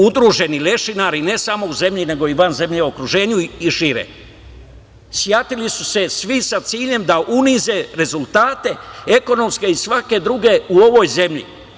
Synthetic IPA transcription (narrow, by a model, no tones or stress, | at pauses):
ud̪ɾuʒe̞nile̞ʃinaːɾine̞samo̞uze̞mʎine̞ɡo̞iʋanze̞mʎeo̞kɾuʒe̞ːɲuiʃiːɾḛ | sjat̪ilisuse̞sʋisat̪siːʎe̞md̪aʔunize̞ɾe̞zulˠt̪aːt̪e̞e̞ko̞no̞mske̞isʋake̞d̪ɾuɡe̞uo̞ʋo̞jze̞mʎḭ